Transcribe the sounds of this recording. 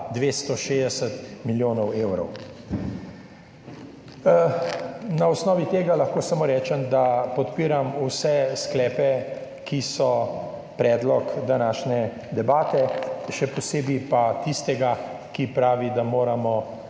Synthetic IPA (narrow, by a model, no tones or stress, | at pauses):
d̪ʋeːst̪ɔʃed̪ɛsət̪miljoːnɔweːwɾɔ̰w | naɔsnɔːʋit̪eːɡalɐxkoːsamoːɾɛːt͡ʃɛmd̪apɔt̪piːɾamusɛsklɛːpɛ | kisɔ | pɾɛːd̪lɔkd̪anaːʃnɛ | d̪ɛbaːt̪ɛʃɛpɔseːbipat̪ist̪ɛɡakipɾaːʋid̪amoːɾamɔ